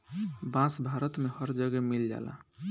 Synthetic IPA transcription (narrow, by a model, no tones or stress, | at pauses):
bãsbʱaɾət̪mehəɾd͡ʒəɡɛmild͡ʒa̰ːlã̰